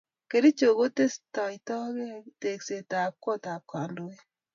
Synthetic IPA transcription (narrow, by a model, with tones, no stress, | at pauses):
ke˨ɾi˦t͡ʃo˨ɣo˦te˦sta˨itɔ˦ɣe˦te˨kse˨ta˨ko˦ta˨kwa˨ndo˨e˦